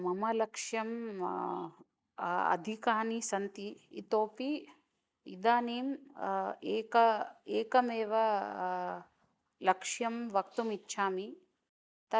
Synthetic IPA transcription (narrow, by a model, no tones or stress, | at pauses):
mɐmɐlɐkʂjɐm | ɐ̰d̪ʱikaːnisɐnt̪ḭːt̪oːpi | id̪aːniːm | eːkɐeːkɐmeːʋɐ | lɐkʂjɐmʋɐk̚t̪umitːʃʰaːmi | t̪ɐ